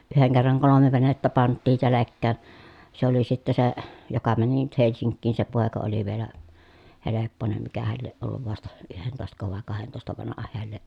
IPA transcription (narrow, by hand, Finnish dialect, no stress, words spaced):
yheŋ kerːɑŋ kolome ʋenetːæ pɑntːiː selekːæːn̞ se oli sitːe se jokɑ mæni nyt helsiŋkːiːn se poˑekɑ oli ʋielæ helepːonem mikæhæl lieʔ ʔolːuʋ ʋɑstɑ yhentoˑestɑko ʋɑˑe kɑhentoˑestɑ ʋɑnɑhɑ heæl lieʔ